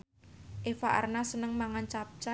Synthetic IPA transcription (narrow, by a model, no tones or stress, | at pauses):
ʔefaʔa̰rnasənəŋmaŋant͡ʃap̚t͡ʃa